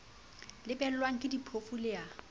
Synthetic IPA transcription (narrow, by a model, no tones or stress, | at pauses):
lɪpʼɛl̩lwaŋ̩kʼɪdipʰofulɪja